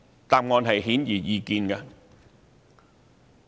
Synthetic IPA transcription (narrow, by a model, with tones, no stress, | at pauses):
t̪aː˧mŋɔː˧nɦɐ˨˩jɦi˨˦˥njiː˨˩jiː˧ki˨˧nkaː˧